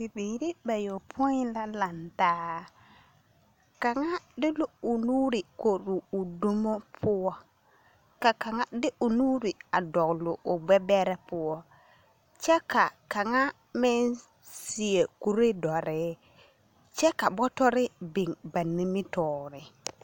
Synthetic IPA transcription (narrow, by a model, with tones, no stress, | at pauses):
bi˨biː˨ɾi˦ba˨jo˨pʰʊ˦ɪ˦la˦la˨ntaː˦˨ | ka˨ŋa˦dɪ˦lo˦ʊ˨nuː˦ɾɪ˨ko˨ɾuː˨do˦mo˦pʰʊ˦wɔ˦ | ka˨ka˨ŋa˦dɪ˦ʔʊ˨nu˦ɾɪ˨a˨dɔ˨ɡlʊ˨ʔʊ˨ɡ͡bɛ˦bɛ˦ɾɛ˦pʊ˦wɔ˦ | t͡ʃɛ˦ka˨ka˨ŋa˦ | mɪ˦n | sɪ˨e˨ku˨ɾe˦dɔ˨ɾɪ˨˦ | t͡ʃɛ˦ka˨bɔ˦tɔ˦ɾɪ˦bɪ˨ŋba˨ni˦mɪ˦tɔː˨ɾɪ˨